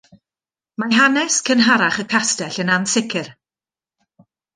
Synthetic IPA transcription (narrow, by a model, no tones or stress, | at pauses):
maɦanɛskʰənɦaɾaχəkʰastɛɬənansɪkʰɪr